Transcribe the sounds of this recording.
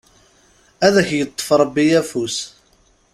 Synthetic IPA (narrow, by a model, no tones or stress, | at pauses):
æðæçjət̪ˤːə̥fɾˤəbːijæfus